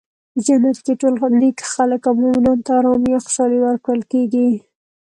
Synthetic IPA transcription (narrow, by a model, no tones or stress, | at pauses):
d͡ʒanat̪keʈolnikxaləkawmʊmɪnɑnt̪aɾɑmijoxʊ̥ʃɑliwəɾkɽəlkeɡi